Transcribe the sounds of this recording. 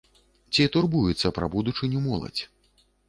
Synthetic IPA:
t͡sʲit̪urbujɛt̪sːɐpɾabud̪ut͡ʂɨnʲumɔlˠɐ̰t͡sʲ

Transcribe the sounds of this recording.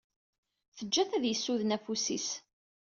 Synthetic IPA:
θəd͡ʒːæθæðjəsːuðənæfusḭs

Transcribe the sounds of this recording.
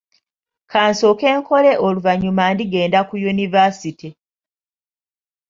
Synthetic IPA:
kaːnsoːke̞ːŋko̞le̞ʔoluvaɲumandiɡe̞ːndakujunivasiti

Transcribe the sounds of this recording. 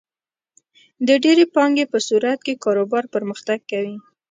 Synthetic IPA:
d̪əɖeɾepɑŋɡepəsuɾat̪̚kekɑɾobɑɾpəɾməxt̪aɡ̚kawi

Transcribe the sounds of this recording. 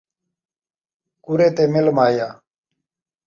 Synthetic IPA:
kuɾeːt̪eːmɪlmaːjaː

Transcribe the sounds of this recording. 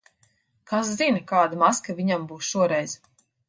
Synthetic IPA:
kaszinkaːd̪amaskavʲiɲambuːsʃuɔɾɛjz̥

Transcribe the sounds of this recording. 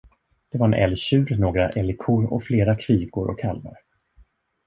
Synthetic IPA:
d̪̥ɛvaɾɛnʔɛ̰lɕʉ̟ːlnoːɡɾaʔɛlɪkʰʊɾɔfleːɾakʰviːɡʊɾɔ̰kʰalma̰ɾ

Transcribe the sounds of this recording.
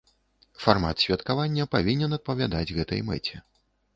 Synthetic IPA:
farma̰t̪sʲvʲɐt̪kavanʲːɐpavʲinʲɛnɐt̪̚pɐvʲad̪ad͡zʲɣɛt̪ɐ̰jmɛ̰t͡sʲɛ̰

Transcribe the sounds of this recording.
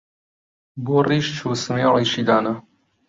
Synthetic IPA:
boːriːʃt͡ʃʰuːsɨmeːliːʃiːd̪aːnɐ

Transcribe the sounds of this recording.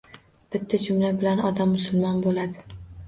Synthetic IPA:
b̥ɪt̪ʰːad͡ʒʊmlabɪlanɒd̪amːʊsʊlˠmɒnbolad̪ɪ

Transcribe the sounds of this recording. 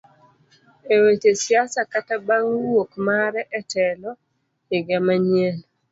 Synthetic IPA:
ewetesiasakatabaŋwokmaɾɛʔɛtɛlɔ | ɪɡamaɲjen

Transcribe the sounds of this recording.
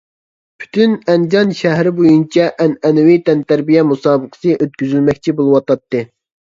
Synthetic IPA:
pʰy̥t̪ʰynɛnd͡ʒɑnʃæɦɾɪbojunt͡ʃʰɛʔɛnɛnɛwit̪ɛnt̪æɾbijɛmusɑːbəqʰə̥sɨʔøt̪̚kʲyzylmɛkʲt͡ʃʰibolˠɨwɑt̪ɑt̪ːɨ

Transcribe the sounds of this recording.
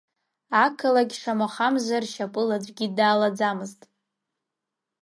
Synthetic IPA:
akʰalaɡʲʂamaχamzʷarʃapʼɨlad͡zʷʼɡʲidaːlad͡zamɨztʼ

